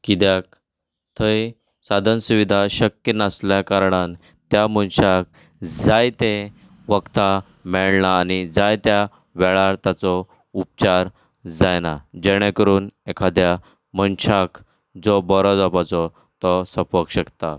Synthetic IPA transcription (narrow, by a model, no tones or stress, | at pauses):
kid̪jak̚ | t̪ʰəj | sad̪ʱənsuʋid̪ʱaɕəkjənasljakaɾɽan | t̪jamənɕak̚ | d͡zajt̪e | ʋəkt̪a | mɛɭɳaːnid͡zajt̪ja | ʋɛɭaɾt̪jat͡sɔ | up̚t͡ɕaɾ | d͡zajnad͡ʑeɽ̃ẽkəɾuːnekʰad̪ja | mənɕak | d͡zɔbɔɾɔd͡zapat͡sɔ | t̪ɔsəpəkɕəkt̪a